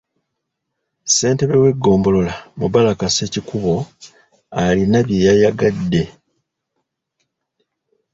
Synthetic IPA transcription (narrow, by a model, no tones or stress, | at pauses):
se̞ːnte̞βe̞we̞ɡːo̞ːmbo̞lo̞lamuβalakase̞ːcikuβo̞ | alinaβje̞jajaɡadːe̞